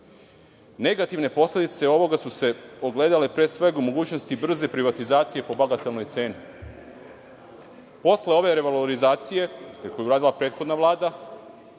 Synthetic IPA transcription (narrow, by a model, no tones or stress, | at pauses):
ne̞ɡat̪iʋne̞po̞slʲe̞d̪it̪se̞o̞ʋo̞ɡasuse̞oɡle̞ːd̪ale̞pɾe̞sʋe̞ɡumo̞ɡuːt͡ʃno̞st̪ibr̩ze̞pɾiʋat̪izaːt̪sije̞po̞baɡat̪elno̞jt̪se̞ːni | po̞sle̞o̞ʋe̞ɾe̞ʋaloɾizaːt̪sije̞ko̞juɾaːd̪ilapɾe̞ːt̪xo̞d̪naʋlˠaːd̪a